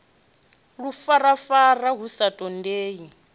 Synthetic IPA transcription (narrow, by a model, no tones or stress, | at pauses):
ɺufarafaraɦusatʼɔndeːji